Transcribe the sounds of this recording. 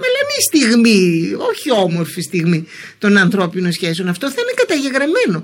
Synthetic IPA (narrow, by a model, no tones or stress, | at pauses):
ɐlɐnist̪iɣmio̞çio̞mo̞ɾfist̪iɣmi | t̪o̞nɐnθɾo̞pinosçe̞s̬onɐft̪oθɐine̞kɐt̪ɐʝe̞ɣɾɐme̞no̞